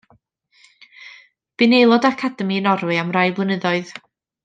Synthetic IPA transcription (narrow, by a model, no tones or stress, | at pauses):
b̥ɪnejlˠɔdakʰadɛminɔɾwɨamrajblˠənəðɔɨð